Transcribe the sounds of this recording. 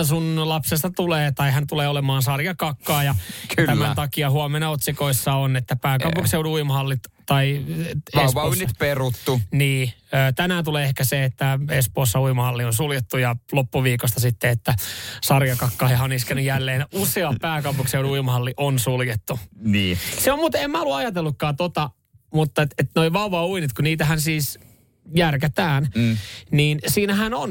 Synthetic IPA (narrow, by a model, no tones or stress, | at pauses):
sunlɑpsest̪ɑt̪uleːt̪ɑiɦænt̪uleːolemɑːnsɑrjɑkɑkːɑːjɑklæːmænt̪ɑkiɑhuɑmenɑot̪sikoisːɑonet̪ːæpæːkɑupuŋkseuduuimɑhɑlːit̪t̪ɑiepnyt̪perut̪ːuniːøːt̪ænæːt̪uleːehkæseet̪ːæespoːsːɑuimɑhɑlːionsuljet̪ːujɑlopːuʋiːkost̪ɑsit̪ːeet̪ːæsɑrjɑkɑkːɑhihɑoniskænːyjælːeːnuseɑppæːkɑupukseonuimɑhɑlːiʔonsuljet̪ːuniːseommuːt̪eemmæoluɑjɑt̪elːukːɑːt̪ot̪ɑ | mut̪ːɑet̪et̪noiʋɑuʋɑuinit̪kuniːt̪æɦænsiːs | jærket̪æːnniːnsiːnæhænon